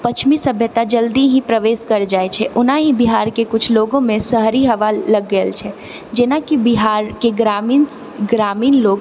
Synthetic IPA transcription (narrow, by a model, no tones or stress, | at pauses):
pət͡ʃʰmisəbʱjət̪ad͡ʒəld̪iɦĩpɾəʋeːʃkəɾd͡ʒaːɛt͡ʃʰɛʔʊnaɦĩbiɦaːɾkekʊt͡ʃʰloːɡõmẽsəɦɾiɦɐʋaːɐɡːəlt͡ʃʰɛ | d͡ʒeːnakibiɦaːɾkeɡɾamin | ɡɾaːmiːnloːɡ